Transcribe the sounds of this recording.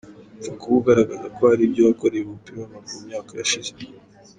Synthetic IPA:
zikuβuɡaɾaɡazakohaɾiːbɟoβako̞ɾeβupiɾamamumɲaːkajaʃize̥

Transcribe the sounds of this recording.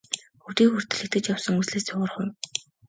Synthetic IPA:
xuwt̪iːŋxur̥t̪ɘ̆ɮɘ̆kt̪ɡɘ̆t͡ɕjawsə̆ŋusɮeːst͡sʰʊʁə̆rχʊw

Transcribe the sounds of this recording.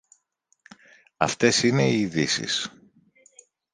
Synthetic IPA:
ɐft̪e̞sine̞iːðisḭs

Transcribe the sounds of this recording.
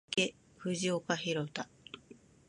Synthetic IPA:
ke | ɸɯ̟ʑiokaɦiɾot̪a

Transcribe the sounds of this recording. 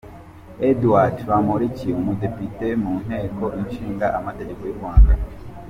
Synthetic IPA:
eduwatwamoɾiciumudepitemuːn̥he̞ːkʰoʔinʃiːŋɡaʔamateɾekojiɾɡwaːnɡa

